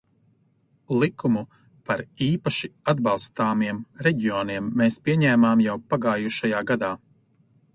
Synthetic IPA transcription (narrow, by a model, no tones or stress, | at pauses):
lˠikumu | paɾiːpaʃiad̪bɑlˠst̪aːmiɛmɾɛɟiɔːniɛmːeːspʲiɛɲɛːmaːmjawpaɡaːjuʃajaːɡad̪aː